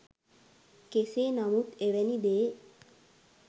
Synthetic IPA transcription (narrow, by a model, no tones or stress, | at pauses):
keseːnamut̪eʋɛnid̪eː